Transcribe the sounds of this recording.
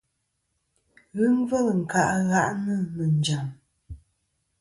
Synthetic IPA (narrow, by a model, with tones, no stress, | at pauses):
ɣə˦ŋ˦və˦˨lŋ̩˨ka˨ʔɣa˦ʔnə˦˨mə˨n˨d͡ʒa˨m